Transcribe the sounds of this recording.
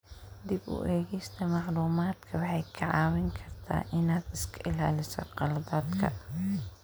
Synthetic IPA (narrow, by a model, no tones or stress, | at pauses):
d̪ibʊ̰ʔɛːɣɛjst̪ʰɐmɑʕluːmaːd̪kʰɐwɑħɑjkʰɐʕɑ̰ːwɪŋkʰɐrt̪ʰa̰ːʔɪnaːd̪ɪskʰɐʔɪlaːlɪsɔ̰qɑlbɐːd̪kʰɐ̰